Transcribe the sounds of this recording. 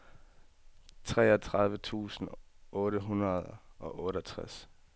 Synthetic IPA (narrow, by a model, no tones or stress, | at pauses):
t͡sʰʁɛ̰ːɒt͡sʰʁɑ̈ð̞ˠʋət͡sʰṵːsn̩ɔ̽ːɾəɦunɐð̞ˠʔɒ̽ʔɔ̽ːɾəɒt͡sʰʁas